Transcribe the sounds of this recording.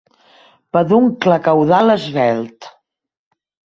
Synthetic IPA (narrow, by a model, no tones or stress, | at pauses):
pəðuŋkləkəwðaləzβɛlˠt̪